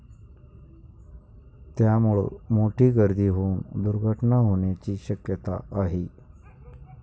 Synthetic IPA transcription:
t̪jamuɭḛːmoʈiːɡəɾd̪ʱiːɦound̪uɾɡʱəʈnaɦoɳjat͡ɕiːɕəkjət̪a̰aɦi

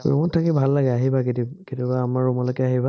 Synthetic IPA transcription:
ṵmɔtʰakibʱalːaɡɛaɦibaketiketibaːmaɹumɔlɔjkɛaɦiba

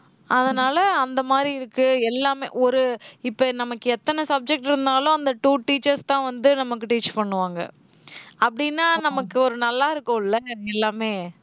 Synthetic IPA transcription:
ʔɐðɐnaːlɐɐnd̪ɐmaːd̪ɾiɪɾɯkːɯɛlːaːmḛːʔɔɾɯɪpːɐnɐmɐkːɯɛt̪ːɐnɐsɐb̚d͡ʒɛk̚ʈɪɾɯnd̪aːlʊ̃ɐnd̪ɐʈuːʈiːt͡ʃːɐɾst̪ãːʋɐnd̪ɯnɐmɐkːɯʈiːt͡ʃpɐɳːɯʋaːŋɡɐ̰ | ɐpːɐɽɪnːaːnɐmɐkːɯɔɾɯnɐlːaːɪɾɯkːõːɪlːɐɛlːaːmeː

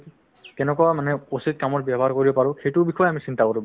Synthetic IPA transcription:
kɛnɛkɔwamanɛosit̚kamɔt̚bjabʱɔaɹkoɹibɔpaɹʊ̃xejtʊbixʰɔjamisintakoɹib

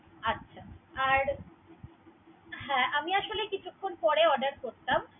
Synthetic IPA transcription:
atːɕʰaaɾ | ɦɛ̃ːʔamiaʃolekit͡ɕʰukʰːonpɔɽeɔɖəɾkoɾt̪am

